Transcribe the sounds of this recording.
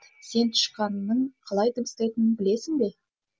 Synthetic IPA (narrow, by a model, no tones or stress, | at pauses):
se̞nt̪ʰʊ̥ʃqɑnːəɴqʰɑlˠɑjt̪ʰəbəst̪ejt̪ɪnɪnbɪle̞sɪŋbe̞